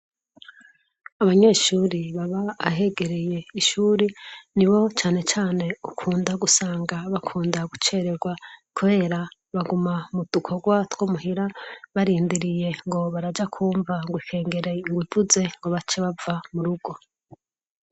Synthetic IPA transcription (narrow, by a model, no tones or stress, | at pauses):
aβaɲe̞ːʃuːɾiβaβa̰ːɦe̞ɡe̞ɾeje̞iʃuːɾiniβo̞t͡ʃaːne̞t͡ʃaːne̞ukʰuːndaɡusaːŋɡaβakʰuːndaɡut͡ʃe̞ɾeɡwakuβe̞ːɾa | βaɡumamud̥ukʰo̞ɡwatwomuhiɾaβaɾiːndiɾije̞ŋɡo̞βaɾad͡ʒakʰuːɱvaŋɡwikʰe̞ːŋɡeɾeŋɡwivuze̞ŋɡo̞βat͡ʃeβavamuɾuɡo̞